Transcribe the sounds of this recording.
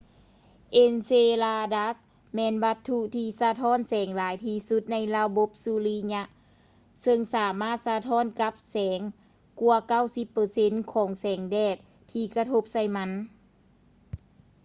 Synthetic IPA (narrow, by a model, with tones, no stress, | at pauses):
ʔe˧nseː˧laː˧daː˧˥s | mɛː˧˨nʋa˧t̪ʰːu˧t̪ʰiː˧sa˧t̪ʰɔː˧˥˨nsɛː˩˦ŋlaː˨˦jt̪ʰiː˧su˧˦t̪̚na˧˥jla˧bo˧˦p̚su˧liː˧ɲa˧ʔ | sɤ˧ŋsaː˨˩˦maː˥˩t̪̚sa˧t̪ʰɔː˧˥˨nka˧˦˥p̚sɛː˩˦ŋ | ku˧ɐka˥˩˨wsi˧˦˥pːɤː˧se˧˥nkʰɔː˩˦ŋsɛː˩˦ŋdɛː˧˩t̪̚ʰːiː˧˩ka˧t̪ʰo˧p̚sa˧˩jma˧˥n